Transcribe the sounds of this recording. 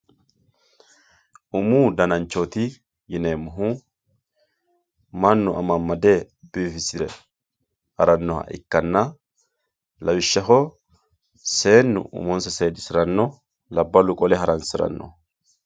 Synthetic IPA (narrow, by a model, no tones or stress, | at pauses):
ʔʊmuːd̪ɐnɐnt͡ʃːɔt̪ɪ | jɪnemʊɦu | mɐnːʊʔɐmɐmːɐd̪e | biːfɪsɪɾɛ | ʔɐɾɐnːɔhɐ̰ʔɪ̰kːɐnːɐ | lɐwɪʃːɐɦɔ | se̞ːnːʊ̰ʔʊ̰mɔnsɛseːd̪ɪsɪɾɐnːɔ | lɐbːɐlʊkʼɔlɛɦɐɾɐnsɪɾɐ̰nːɔ̰